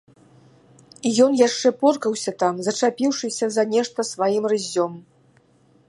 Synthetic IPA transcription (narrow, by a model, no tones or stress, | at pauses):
ijɔnjaʂt͡ʂɛpɔrkɐwsʲɐt̪amzɐt͡ʂapʲiwʂɨsʲɐzɐnʲɛʂt̪ɐsvajimrɨzʲːɔm